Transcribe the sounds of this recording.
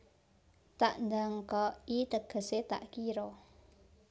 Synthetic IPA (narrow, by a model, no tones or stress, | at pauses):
t̪aʔnd̪aŋkɔit̪əɡ̥ə̤set̪a̰ʔkiɾɔ